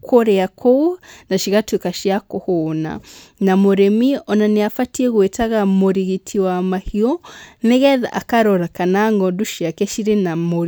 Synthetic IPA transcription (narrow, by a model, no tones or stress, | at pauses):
kʰoɾɛakʰonaʃiɣatuikaʃiakohona̰namoɾemiɔnaneafatiɛɣwetaɣamoɾiɣitʰiwamahiɔnɛɣɛða̰ʔakaɾɔɾakanaŋɡɔduʃiakɛʃiɾenamoɾ